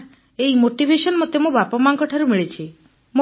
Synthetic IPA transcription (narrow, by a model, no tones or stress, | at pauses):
ejmoʈibʱesɔnmɔt̪emũbapɔmaŋkɔʈʰaɾumiɭet͡ʃʰi | mu